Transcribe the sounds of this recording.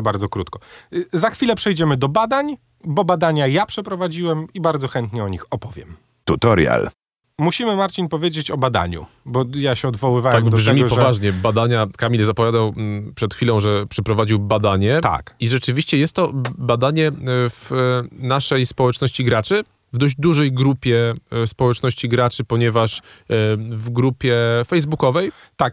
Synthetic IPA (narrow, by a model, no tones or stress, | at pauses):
baɾd̪zɔkɾut̪kɔzaxfʲilɛpʂɛjd͡ʑɛmɘd̪ɔbad̪aɲ | bɔbad̪aɲajapʂɛpɾɔvad͡ʑiwɛmibaɾd̪zɔxɛnt̪ɲɛɔɲixɔpɔvʲjɛ̰m | t̪ut̪ɔɾja̰l | muɕimɘmaɾt͡ɕinpɔvʲjed͡ʑet͡ɕɔbad̪a̰ɲṵ | bɔjaɕɛɔd̪vɔwɘvaw̪aɛmd̪ɔʐɛmʲiʐpɔvaʐɲɛbad̪aɲakamʲilzapɔvʲjad̪awpʂɛt̪xfʲilɔ̃w̃ʐɛpʂɛpɾɔvad͡ʑiwbad̪aɲɛt̪a̰kiʐɛt͡ʂɘvʲiɕt͡ɕɛjɛst̪ːɔbad̪aɲɛvnaʂɛjspɔwɛt͡ʂnɔɕt͡ɕiɡɾat͡ʂɘ | vd̪ɔʑd͡ʑd̪uʐɛjɡɾupʲjɛspɔwɛt͡ʂnɔɕt͡ɕiɡɾat͡ʂɘpɔɲɛvaʂ | vɡɾupʲjɛfɛjzbukɔvɛj | t̪ak̚